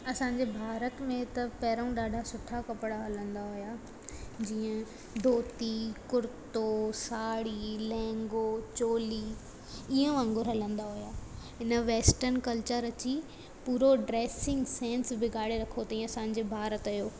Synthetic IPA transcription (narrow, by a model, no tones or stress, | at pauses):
ɐsãːɲd͡ʑebʱaːɾət̪mẽt̪ɐpɛːɾəũɗaːɖʱasʊʈʰakɐpɽaɦɐlə̃nd̪aɦʊjaː | d͡ʑiːə̃ | d̪ʱoːt̪ikʊɾɪt̪osaːɽilɛ̃ːŋɡoːt͡ɕoːliː | iːə̃ʋãːŋɡʊɾɦɐlə̃nd̪aɦʊjaːɦɪnə̆ʋeːsʈəɾnkɐlt͡ɕəɾɐt͡ɕi | puːɾoɖɾeːsɪ̃ŋɡsẽːnsbɪɡaːɽeɾɐkʰot̪ɐĩɐsãːɲ̆d͡ʑebʱaːɾət̪ɐjoː